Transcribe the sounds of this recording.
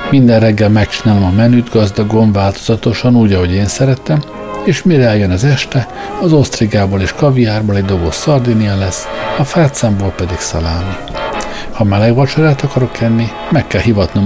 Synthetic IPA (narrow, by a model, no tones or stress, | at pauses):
mind̪ɛnrɛɡːɛlmɛk̚t͡ʃinaːlomɒmɛnyːd̪ɡɒzd̪ɒɡo̞nvaːlt̪o̞̥z̥ɒt̪o̞ʃɒnuːɟɒɦo̞ɟeːnsɛɾɛt̪ɛm | eːʃmiɾɛɛljønɒzɛʃt̪ɛ | ɒzost̪riɡaːboleːʃkɒvijaːrboːlɛɟd̪o̞bosːɒrd̪inijɒlɛsːɒfaːt̪saːmboːlpɛd̪iksɒ̰laːlni | hɒmɛlɛɡvɒt͡ʃɒɾaːt̪ɒkɒɾo̞kɛnːi | mɛkːɛlɦivɒt̪no